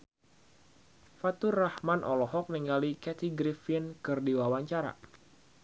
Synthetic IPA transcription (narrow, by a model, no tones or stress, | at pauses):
fat̪urahmanʔɔlɔɦɔk̚niŋɡalikɛt̪iɡɾifɪnkɨrdiwawaɲt͡ʃaɾa̰